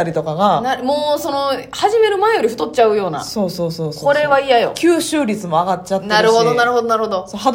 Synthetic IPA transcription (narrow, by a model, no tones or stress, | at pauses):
aɾʲit̪o̞kaɡanamo̞ːso̞no̞haʑime̞ɾɯ̟maejo̞ɾʲiɸɯ̟t̪o̞tːt͡ɕaɯ̟jo̞ːna̰so̞ːso̞ːso̞ːsko̞ɾe̞βaijajo̞̰kʲʰɨːɕɨːɾʲit͡sɨmo̞aɡatt͡ɕat̪ːaɾɯ̟ɦo̞d̪o̞naɾɯ̟ɦo̞d̪onaɾho̞d̪o̞soɦad̪